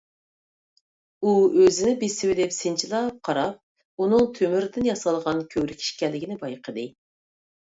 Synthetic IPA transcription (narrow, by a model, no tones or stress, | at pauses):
uøzɪnɪbesɪwɪlɪpsɪnt͡ʃʰilˠɑp̚qʰɑɾɑp̚ | unɨŋt̪ʰømyɾd̪ɪnjɑsɑlˠʁɑnkʲʰøwɾɪkʲʰi̥ʃkʲɛlːɪɡʲinɪbɑjqʰəd̪ɨ